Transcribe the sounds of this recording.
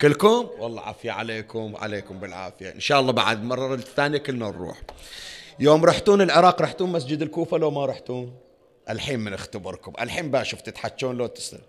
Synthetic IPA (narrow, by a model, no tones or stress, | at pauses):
kɪlːkʊmwɑlˤːɑ̰ʕa̰ːfɪjaʕa̰leːkʊmʕa̰leːkʊmbɪlʕa̰ːfɪjaʔɪ̰nʃaːʔɑlˤːɑba̰ʕa̰d̪mɑrˤːɑθːaːnjakɪlnaɾɾṵːħ | joːmɾˤɑːħt̪uːnɪlʕɪɾˤɑːqɾˤɑːħt̪uːnmas̬d͡ʒɪd̪ɪlkuːfalowmaɾˤɑħt̪uːn | ʔalħiːmmɪnɪxt̪abɨɾˤkʊmʔa̰lħiːmbaːʃʊft̪ɪt̪ħat͡ʃːuːnloːt̪ɪ̥sɪ̰l